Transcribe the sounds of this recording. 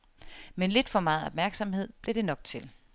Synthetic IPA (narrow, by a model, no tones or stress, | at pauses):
menle̝d̥fɒ̽mɑ̈ːð̩ˠɒ̽b̥̚mæɐɡ̥sɒ̽mhe̝ð̞̰ˠb̥le̝ɾ̥e̝nɒ̽ɡ̥t͡sʰe̝l